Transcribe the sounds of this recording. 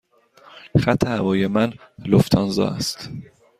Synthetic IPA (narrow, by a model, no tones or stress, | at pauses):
xæt̪ʰːehævɒːjemæn | loft̪ʰɒnzɒ̰ːæ̰st̪